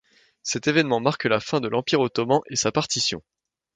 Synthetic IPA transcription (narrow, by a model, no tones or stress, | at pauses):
sɛt̪evɛnmɑ̃maʁklafɛ̃d̪əlɑ̃piʁot̪ɔmɑ̃ʔesapaʁt̪isjɔ̰̃